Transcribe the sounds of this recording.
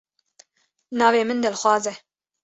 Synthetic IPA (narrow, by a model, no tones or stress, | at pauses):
nɑːveːmɨnd̪ɛlxwɑːzɛ